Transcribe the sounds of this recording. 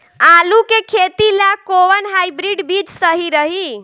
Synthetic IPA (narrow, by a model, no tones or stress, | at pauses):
alukekʰet̪ilakoʋənɦajbɾiɖbid͡ʒsəɦiɾəɦi